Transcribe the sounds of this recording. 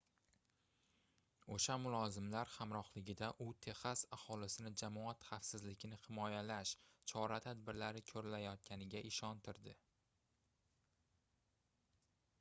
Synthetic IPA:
oʃamʊlˠɒzɪmlaɾχamɾɒχlɪɡʲɪd̪aʔʊt̪ʰe̞χasahɒlɪsɪnɪd͡ʒamɒat̪χafsɪzlɪkʲnɪχɪmɒjalaʃt͡ʃʰɒɾat̪ʰad̪bɪɾlaɾɪkʲʰɵɾɪlajɒt̪̚kʲʰanɪɡʲaʔɪʃɒnt̪ʰɪɾd̪ɪ

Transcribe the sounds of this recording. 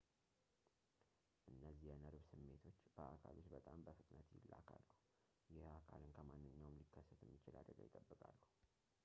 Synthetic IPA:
ʔɨnːəzːihɛnəɾβsɨmːe̞t̪ʰo̞t͡ʃːb̥əʔakʰalot͡ʃːbət̪ʼambəfɨt̪ʼnət̪jɪ̰lːa̰kʰalːuhu | jɛhakʰalɨnkʰəmanːɨɲːawɨmlikʰːəsːət̪jɛmːit͡ʃɪla̰d̪ɾəɡa̰jɪt̪ʼːəbːɨkʼalːuhu

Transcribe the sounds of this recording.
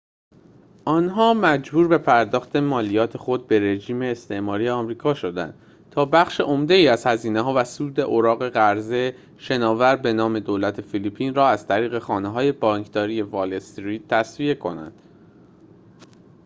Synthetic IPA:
ʔɒːnɦɒːmæd͡ʒbuːɾbe̞pʰæɾd̪ɒːxt̪ʰe̞mɒːlijɒːt̪ʰe̞xo̞d̪̚be̞ɾe̞d͡ʒiːme̞ːst̪ʰe̞ʔmɒːɾiːjeɒmɾiːkʰɒːʃo̞d̪æ̰nd̪̥ | t̪ʰɒːbæxʃe̞ʔo̞md̪e̞iːæz̥hæziːneɦɒːvæsuːd̪e̞ʔoɾɒːɣe̞ɣæɾze | ʃe̞nɒːvæɾbe̞nɒːme̞d̪oːlæt̪ʰe̞filipʰiːnrɒːæz̥t̪ʰæɾiːɣe̞xɒːneɦɒːje̞bɒːŋkʰd̪ɒːɾije̞vɒlest̪ɾiːd̪̚t̪ʰːæsvie̞kʰo̞̰næ̰nd̪̥

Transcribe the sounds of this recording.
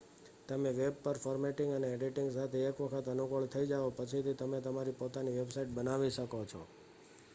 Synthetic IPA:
t̪əmeʋeb̚pəɾfɔɾmeʈɪ̃ŋɡəneeɖiʈɪŋɡsat̪ʰeːkʋəkʰət̪ənukəɭt̪ʰəid͡ʒaʋopət͡ʃʰit̪ʰit̪əmet̪əmaɾipot̪aniʋebsaiʈ̚bənaʋiʃəkot͡ʃʰɔ̰

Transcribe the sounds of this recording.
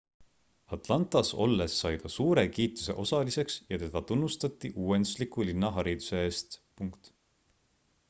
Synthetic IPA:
ɑt̪ˑlɑnt̪ˑɑso̞̰lːe̞sːɑjd̪̥ɑsuːɾe̞kiːt̪ːˑu̥se̞̰ʔo̞sɑlise̞ksjɑt̪e̞d̪̥ɑt̪unːust̪ɑt̪ːˑiʔuːe̞nd̪̥uslikˑulinːɑɦɑɾid̪u̥se̞eːst̪puŋkt̪

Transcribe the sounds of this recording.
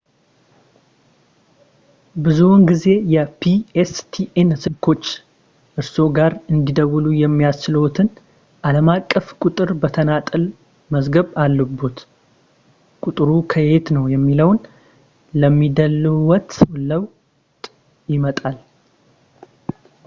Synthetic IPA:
bɨzunɡize̞jɛpʰiest̪ʰiʔensɨlkʰo̞t͡ʃː | ʔɨɾso̞ɡaɾɨnd̪id̪əwulujɛmːijast͡ʃɪlowt̪ʰɨn | ʔaləmakʼːəfkʼʊt̪ʼɨɾbət̪ʰənat̪ʼɨl | məzɡəβalːəbːut̪ | kʼut̪ʼɨɾukʰəhet̪nəwjɛmːiləwn | ləmːid̪əlwɔt̪ʼləw | t̪ʼ | jɪmət̪ʼal

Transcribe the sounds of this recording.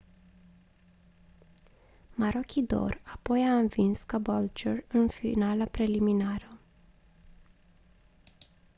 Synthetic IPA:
maɾo̞kʲid̪o̞̰rapo̞jaɨnvinskabolt͡ʃerɨnfinalapɾe̞liminaɾə

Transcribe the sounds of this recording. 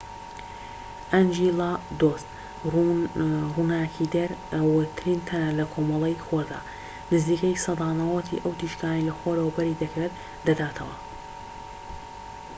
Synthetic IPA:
ʔɐnd͡ʒilad̪ost̪ | runaːkʰid̪ɐɾwt̪ʰɾint̪ʰɐnlɐkʰomɐlˠejxoɾd̪a̰ː | nɨziːkɐjsɑd̪ɑːnɐwɐt̪ʰḭʔɐwt̪ʰiʃkaːnɐjlɐxoɾɐwɐbɐɾid̪ɐkɾet̪ | d̪ɐd̪aːt̪ʰɐwɐ

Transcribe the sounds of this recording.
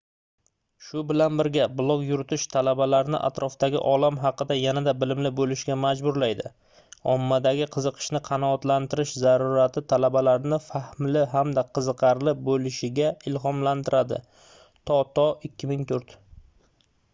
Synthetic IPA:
ʃʊbɪlanbɪɾɡʲablˠokjʊɾɪt̪ʰɪʃt̪ʰalabalaɾnɪ̰ʔa̰t̪ɾʔɒfd̪aɡʲɪ̰ʔɒlamɦɑqɨd̪ajanad̪abɪlɪmlɪbolɪʃɡʲamad͡ʒbʊɾlajd̪ɪ | ɒ̰mːad̪aɡʲɪqʰɨzɨqʰɨ̥ʃnɪqʰɑnɒːt̪lant̪ɪɾɪʃzaɾuɾat̪ʰɪt̪ʰalabalaɾnɪfahmlɪɦamd̪aqʰɨzɨqʰɑɾlɪbolɪʃɪɡʲaɪlɦɒmlant̪ʰɪɾad̪ɪ̰ | t̪ʰɒt̪ʰɒɪkʲːɪmɪŋt̪ʰʊɾt̪

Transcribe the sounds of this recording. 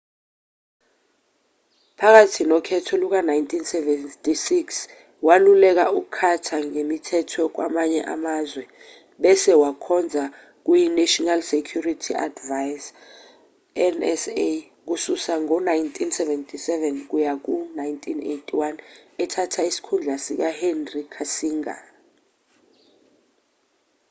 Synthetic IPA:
pʰak̬atʰinɔkʰɛtʰɔluk̬anajntʰʼinsɛvɛtʼisiks | walulɛk̬aukkʰatʰaŋemitʰɛtʰɔk̬wa̰maɲɛʔa̰mazwɛ | ɓɛsɛwakʰɔnd͡zʱa | k̬ujinaʃɔnalsekʰjuritʰiʔa̰dvajs | ɛnɛse | k̬ususaŋɔnajntʼʰinsɛvɛntʰʼisɛvɛnk̬ujak̬unajntʼʰinḛjtʰʼiwanɛtʰatʰaisi̥kʰund͡ɮʱasik̬ahɛnrikʰasiːŋa̰

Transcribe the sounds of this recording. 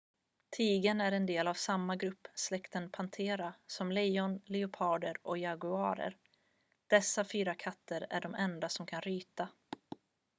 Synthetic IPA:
t̪ʰiːɡənæɾɛnd̪eːlavsamːaɡɾɵpːslɛkt̪ənpʰant̪ʰeːɾasɔmlɛjɔnlɪʊpʰɑːɖ̪əɾʔɔjaɡʊɑːɾə̰ɾ | d̪̥ɛsːafyːɾakʰat̪ʰːəɾæ̰ɖɔmɛnd̪asɔmkʰanɾyːt̪a

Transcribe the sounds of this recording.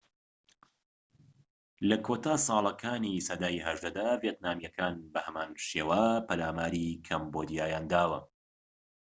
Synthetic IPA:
lɐkʰoːt̪aːsˤɑːlˠɐkʰaːnisɐd̪aːiɦɐʒd̪ɐd̪aːvjet̪naːmjɐkaːnbɐhɐmaːnʃeːwaːpʰɐlaːmaːɾikʰɐmbod̪ijaːjaːnd̪aːwɐ̰

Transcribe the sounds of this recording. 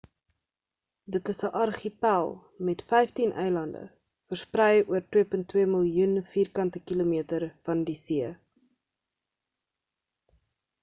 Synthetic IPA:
dətəsəʔɐrχipælˠ | mɛtfɛjftinʔɛ̰jlɐndə̰ | fərsprɛjuərtwiəpəntːwiəməlˠjunfiːrkɐntəkilomiətərfɐndisiə

